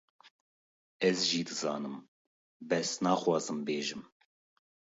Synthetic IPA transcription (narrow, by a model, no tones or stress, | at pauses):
ɛzʒiːd̪ɨzɑ̰ːnɨm | bɛsnɑːxwɑːzɨmbeːʒɨm